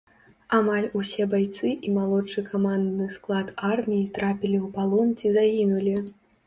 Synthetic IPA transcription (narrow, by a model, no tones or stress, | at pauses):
amalʲusʲɛbajt̪sɨʔimalˠɔʂɨkamand̪nɨsklˠat̪armʲijit̪ɾapʲilʲiwpalˠɔnt͡sʲizaɣʲinulʲi